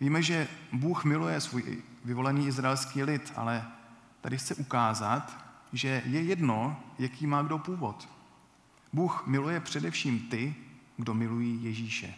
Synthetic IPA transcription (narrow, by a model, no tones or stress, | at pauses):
viːmɛʒɛbuːxmɪlujɛsvuːj̰vɪvo̞lɛniːʔɪzɾaɛlskiːlɪt̪ʔa̰lɛ | t̪adɪxt͡sɛʔukaːzat̪ʒɛjɛjɛdno̞jakiːmaːɡdo̞puːvo̞t̪ | buːxmɪlujɛpr̝̥ɛdɛfʃiːmt̪ɪɡdo̞mɪlujiːjɛʒiːʃɛ̰